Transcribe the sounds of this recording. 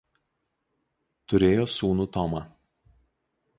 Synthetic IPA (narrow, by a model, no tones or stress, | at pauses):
t̪ʊɾʲeːjoːsuːnuːt̪ɔmɐ